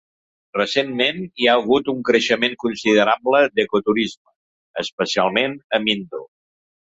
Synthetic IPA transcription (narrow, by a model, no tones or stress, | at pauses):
rəsenmeniaəɣ̞ut̪uŋkɾəʃəmeŋkunsiðəɾabləd̪əkut̪uɾizmə | əspəsia̰lˠmenəmind̪ṵ